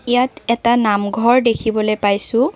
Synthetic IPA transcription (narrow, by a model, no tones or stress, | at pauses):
ijatɛtanamɡʱɔɹdekʰibɔlojpajsʊ̃